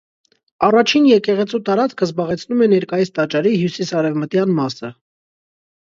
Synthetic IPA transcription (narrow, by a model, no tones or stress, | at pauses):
ɑrɑt͡ʃʰinjɛkɛʁɛt͡sʰut̪ɑɾɑt͡skʰəzbɑʁɛt͡sʰnumɛnɛɾkɑjist̪ɑt͡ʃɑɾiɦjusisɑɾɛvmət̪jɑnmɑsə